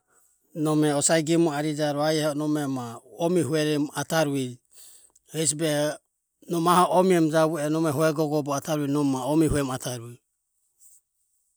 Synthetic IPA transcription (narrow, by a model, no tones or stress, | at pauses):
nɔmɛɔsaiɡimɔaɾid͡ʒaɾɔajɛhɔnɔmɛmaɔmihuɛɾɛmat̪aɾui | hɛs̬bɛ | nɔmahɔʔɔmiɛmd͡ʒaβuɛnɔmɛɦuɛɡɔɡɔbɔat̪ʰaɾuinɔmːaɔmihuɛmat̪ʰaɾui